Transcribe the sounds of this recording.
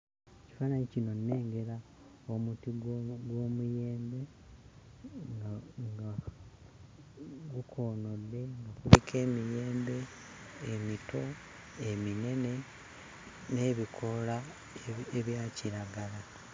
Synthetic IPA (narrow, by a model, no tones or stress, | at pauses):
eci̥faːnaɲicino̞nːe̞ːŋɡe̞ɾa | omutiɡɡwo̞muje̞ːmbe̞ | ŋɡaŋɡa | ɡukʰo̞ːno̞lːe̞ŋɡakuβikʰe̞ːmije̞ːmbe̞ː | mitʰo̞ | emine̞ne̞ | ne̞ːβikʰo̞la | eβjaːciɾaɡala